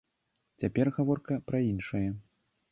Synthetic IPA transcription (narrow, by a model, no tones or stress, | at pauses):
t͡sʲapʲɛrɣavɔrkɐpɾɐinʂɐjɐ